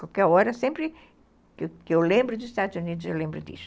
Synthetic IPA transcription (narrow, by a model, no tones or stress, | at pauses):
kukɛɔɾɐsẽmpɾɪ | kɪkewlẽmbɾʊd̪ʊzʃt̪ad̪uzunid̪uzewlẽmbɾʊd̪ḭs